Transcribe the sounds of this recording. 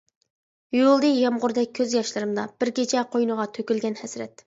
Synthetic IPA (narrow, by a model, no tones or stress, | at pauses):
jolˠd̪ɨjɑmʁʊɾd̪ɛk̚ʲʰːøzjɑʃlˠɨɾɨmd̪ɑb̥ɪɾkʲet͡ʃʰɛqʰojnɨʁɑt̪ʰøkʲylɡʲɛnhɛsɾɛt̪